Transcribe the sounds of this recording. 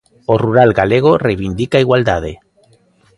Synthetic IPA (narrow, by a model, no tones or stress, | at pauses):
oruɾalɡaleɣ̞orejβind̪ikaiɣwald̪að̞e